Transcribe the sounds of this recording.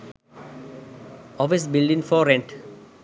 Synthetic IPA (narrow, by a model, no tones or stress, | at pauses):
ɔfis̬bɪlɖĩŋfɔːɾẽɳʈ